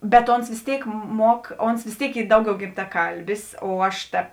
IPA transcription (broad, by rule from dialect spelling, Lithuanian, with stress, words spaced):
bʲɛt ˈoːns ʋʲeːs ˈtʲeːɪk ˈmuɔk ˈoːns ʋʲeːs ˈtʲeːɪk ˈiː ˈdɐʊˌɡʲɛʊ ɡʲɪmtɐˈkɐlʲbʲɪs oː ˈɐʃ tɐ